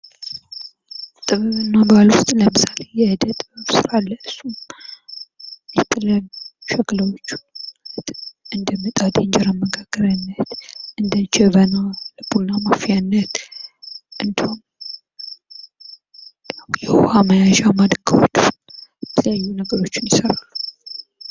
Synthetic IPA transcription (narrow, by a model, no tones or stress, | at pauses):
t̪ʼɨβɨβɨnːabalwʊst̪ʼləmɨsalejɛhɨd̪ət̪ʼːɨbɨβsɨɾalːəɨsːum | jɛt̪ʰʼːɨlənʃɛkləwot͡ʃːt̪ʔɨnd̪əmːɨt̪ʼad̪ɛnd͡ʒɛɾəməɡaɡ̥əɾənːət̪ʔɨnd̪əd͡ʒɛβənaləbonamafijanːət̪ | ʔɨnd̪hon | nəwjɛhohaməjaʒamad̪ɡəwot͡ʃːnjɛt̪ʰələjajːunəɡəɾo̞t͡ʃːɪnjɪsəɾalːu